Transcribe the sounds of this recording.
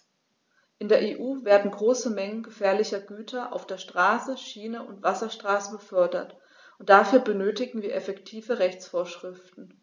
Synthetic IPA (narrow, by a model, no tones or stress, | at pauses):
ʔɪndeːɐʔeːʔuːveːɐdn̩ɡʁoːsəmɛŋənɡəfɛːɐlɪçɐɡyːtʰɐʔa̰ʊfd̥eːɐʃtʁ̥aːsəʃiːnəʔʊntv̥asɐʃtʁ̥aːsəbəfœɐdɐt | ʔʊntd̥afyːɐbənøːtɪɡŋ̩viːɐʔɛfɛktʰiːvəʁɛçt͡sfoːɐʃʁ̥ɪftn̩